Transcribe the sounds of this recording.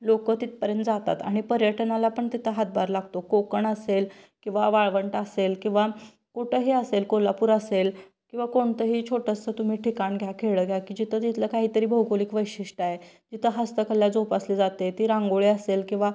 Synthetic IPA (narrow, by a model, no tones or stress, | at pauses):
lokət̪it̪̚pəɾjə̃nt̪d͡zat̪a̰t̪a̰ɽ̃ipəɾjəʈʰnalapəɳt̪it̪ʰəɦat̪̚baɾlaɡt̪okokəɳəselkĩw̃ʋaʋaɭʋəɳʈaselkĩw̃ʋa | koʈəɦiəselkolapuːɾasel | kĩw̃ʋakoɳt̪əɦiːt͡ɕʰoʈəst͡sət̪um̤iːʈʰikaɳɡʱjakʰeɭəːɡʱjakiːd͡ʑit̪ʰət̪it̪ʰləkaɦiːt̪əɾiːbʱəwkoliːkʋəjɕiʂʈaed͡ʑit̪ʰəɦəst̪əkəljad͡zopaslid͡zat̪et̪iːɾãŋɡoɭeəselkĩw̃ʋa